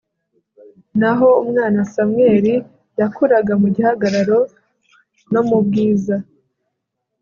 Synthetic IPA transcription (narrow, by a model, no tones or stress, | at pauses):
naɦo̞umŋaːnasamwe̞ːɾi | jakuɾaɡamuɟihaɡaɾaɾo̞ | no̞mub̚ɡiːza